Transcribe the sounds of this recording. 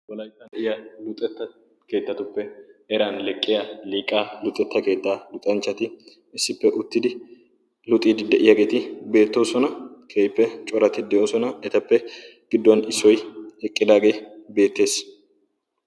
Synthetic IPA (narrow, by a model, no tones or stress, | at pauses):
wɔlɐjt̪ːɐnɛʔɪjɐlʊt̪ʼːɛt̪ːɐ | ke̞ːt̪ːɐt̪ʊpːɛɛɾɐnlɛkʼːɪjɐliːkʼːaːlʊt̪ʼːɛt̪ːɐke̞ːt̪ːaːlʊt̪ʼːɐnt͡ʃːɐt̪ɪ | ɪsːɪpːɛʔʊt̪ːɪd̪ɪ | lʊt̪ʼiːd̪ɪd̪ɛʔɪjɐɡeːt̪ɪbe̞ːt̪ːo̞ːsɔnɐkʰeːjpːɛt͡ʃʼɔɾɐt̪ɪd̪ɛʔo̞ːsɔnɐɛt̪ɐpːɛɡ̥ɪd̪ːɐnɪsːɔjɛkʼːɪd̪aːɡe̞ːbe̞ːt̪ːe̞ːs